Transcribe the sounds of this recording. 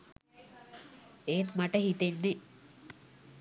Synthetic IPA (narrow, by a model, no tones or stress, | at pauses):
eːnmaʈəhit̪enːe